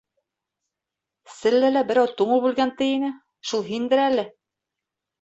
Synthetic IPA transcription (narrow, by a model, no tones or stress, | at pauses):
sɘ̆lːɘlæbɘ̆ɾæwt̪uɴɤbʉlɡænt̪ɘ̆jinɘ | ʃulˠɦind̪ɘ̆ɾælɘ